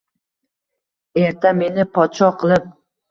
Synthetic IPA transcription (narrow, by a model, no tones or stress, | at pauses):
e̞ɾt̪ʰame̞nɪpʰɒt̪ʃɒqʰɨlˠɪp̚